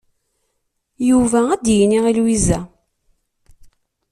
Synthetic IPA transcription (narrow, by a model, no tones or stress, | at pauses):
juvææd̪jiniʁilwizæ